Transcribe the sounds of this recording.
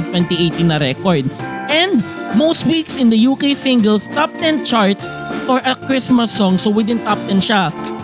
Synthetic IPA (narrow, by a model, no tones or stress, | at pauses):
vt̪wɛ̃nt̪iʔejt̪iŋnɐɾɛkɔɹd̪̚ʔɛ̃nd̪̚most̪̚wiksɪ̃nd̪ɐjuːkesɪ̃ŋɡɛlst̪ap̚t̪ɛ̃nt͡ʃaɹt̪̚ | fɔɹʔɐkɹɪsmɐsːɔ̃ŋsowɪd̪ɪ̃nt̪ap̚t̪ɛ̃nʃa